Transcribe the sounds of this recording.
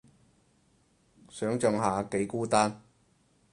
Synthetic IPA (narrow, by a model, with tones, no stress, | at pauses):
sœː˨˥ŋt͡ʃɔ˨˧ŋɦaː˨˧ke˨˥jkuː˥t̪aː˥n